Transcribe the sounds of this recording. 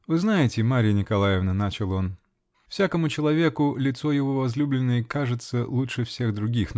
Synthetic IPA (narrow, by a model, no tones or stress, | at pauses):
vɨznajɪtʲɪmaɾʲɪjənʲɪkɐlˠajɪvnənat͡ɕɪlˠo̞n | fsʲakəmʊt͡ɕɪlˠɐvʲe̞kʊlʲɪt̪so̞jɪvo̞vɐzlʲublʲɪnːəjəkaʐɨt̪səlˠutʂɨfsʲe̞ɣd̪ɾʊɡʲix